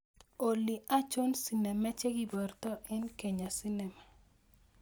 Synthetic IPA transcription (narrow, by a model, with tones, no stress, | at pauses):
o˨li˨a˦t͡ʃo˦nsi˦nɛ˨mɛ˦t͡ʃe˦ɡi˦bɔ˨rt̪ɔ˦ʔɛ˦nke˨ɲa˨si˦nɛ˨ma˨